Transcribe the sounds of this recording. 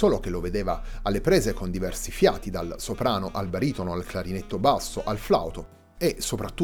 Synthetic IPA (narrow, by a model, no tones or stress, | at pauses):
soːlok̟eloved̪eːvaːlːepɾeːzekond̪ivɛrsifjaːt̪id̪alsopɾaːnoʔalbaɾiːt̪onoalklaɾinet̪ːobasːoʔalfla̰wt̪o | esopɾat̪ːu